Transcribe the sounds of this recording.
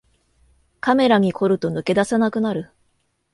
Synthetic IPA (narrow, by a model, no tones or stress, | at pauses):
kame̞ɾaɲ̟ikʰo̞ɾɯ̟t̪o̞nɯ̟ke̞d̪asanakɯ̟naɾɯ̟